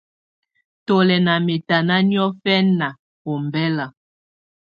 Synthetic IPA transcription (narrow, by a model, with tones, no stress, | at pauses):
to˨lɛ˨na˨me˨ta˨na˦ni˦ɔ˦fɛ˦nːa˨ | ko˨mbɛ˦la˨